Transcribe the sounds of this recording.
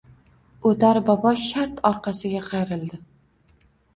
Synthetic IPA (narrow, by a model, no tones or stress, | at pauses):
ot̪aɾbɒbɒʃaɾt̪ʰɒɾqɑsɪɡʲaqʰɑjɾɪld̪ɪ